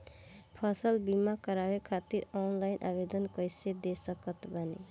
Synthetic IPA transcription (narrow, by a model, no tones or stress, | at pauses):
pʰʌsʌlbimakʌɾawekʰat̪iɾɔnlajnʔa̰bed̪ʌnkʌjsed̪esʌkʌt̪bʱanḛ